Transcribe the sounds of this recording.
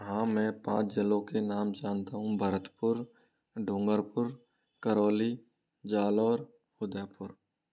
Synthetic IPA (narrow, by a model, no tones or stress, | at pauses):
ɦãːmɛ̃ːpã̰ːt͡ʃd͡ʒəlõkenaːmd͡ʒaːnt̪aɦũbʱəɾət̪pʊɾ | ɖʱõːŋɡəɾpʊɾ | kəɾɔːli | d͡ʒaːlɔːɾ | hʊd̪apʊɾ